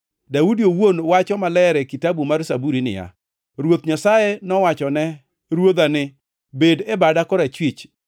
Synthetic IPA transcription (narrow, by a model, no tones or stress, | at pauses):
daudiowonwat͡ʃɔmalɛɾɛkitabumarsabuɾinɪ̰ja̰ | ɾwot̪ɲasajenɔwat͡ʃɔnɛ | ɾwod̪anɪ | bedɛbadakɔɾat͡ʃwit͡ʃ